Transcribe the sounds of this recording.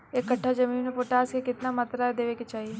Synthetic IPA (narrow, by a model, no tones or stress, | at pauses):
eːkːɐʈʰːad͡ʒɐmiːnmẽpoːʈaːskekɪt̪namɐt̪ɾaːd̪eːʋeket͡ʃaːɦie